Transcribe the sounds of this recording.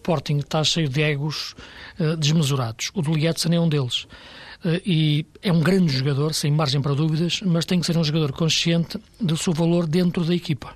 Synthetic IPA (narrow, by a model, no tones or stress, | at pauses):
pɔɾt̪ĩŋɡt̪aʃejuðɨɛɣuʃɛd̪ɨʒmɨzuɾaðuʃuðulˠiɛt̪sñɛũd̪elˠʃɛʔiɛũɡɾɐ̃nd̪ʒuɣɐðoɾsẽj̃maɾʒẽj̃pɐɾɐðuviðɐʃmɐʃt̪ẽj̃kseɾũʒuɣɐðoɾkõʃiẽnt̪ɨðɨsewvɐlˠoɾðẽnt̪ɾuðɐikipɐ̥